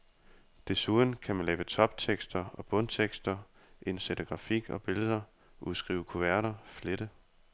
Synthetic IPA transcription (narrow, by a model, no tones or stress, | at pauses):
d̥e̝suðˠn̩kʰæmænlɛːʊət͡sʰɒ̽b̥̚t͡sʰeɡ̥sd̥ɐɒ̽b̥ɔ̽nt͡sʰeɡ̥sd̥ɐʔe̝nsed̥əɡ̥ʁɑ̈fiɡ̥ɒ̽b̥e̝ləðˠɐ | ʔuðˠsɡ̥ʁḭːʊəkʰuʋæɐɾɐfleɾ̥ə